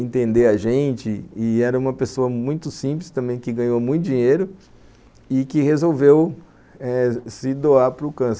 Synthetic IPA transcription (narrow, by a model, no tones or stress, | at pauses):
ẽnt̪ẽnd̪eɾɐʒẽt͡ʃɪɪɛɾɐũmɐpesoɐmũj̃t̪ʊsĩplɪst̪ɐ̃mbẽj̃kɪɡɐ̃ɲomũj̃t̪ʊd͡ʒĩɲejɾʊ | ɪkɪhezowvew | ɛsɪd̪oaɾpɾʊkɐ̃s